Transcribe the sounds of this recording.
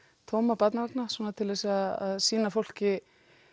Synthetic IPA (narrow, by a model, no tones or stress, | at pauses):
t̪ʰowmapat̪navaknasɔːnat̪ʰɪlðɛsaðaðsiːnafowl̥cɪ